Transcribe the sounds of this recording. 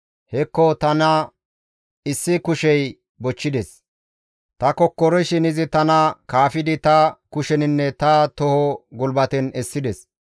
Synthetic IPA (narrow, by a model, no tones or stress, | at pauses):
hɛkːɔt̪ɐnɐ | ɪsːɪkʊʃɛj | bɔt͡ʃːɪd̪ɛs | t̪ɐkɔkːɔɾɔʃɪnɪzɪt̪ɐnɐkaːfɪd̪ɪt̪ɐkʊʃɛnɪnːɛt̪ɐt̪ɔhɔɡʊlbɐt̪ɛnɛsːɪd̪ɛs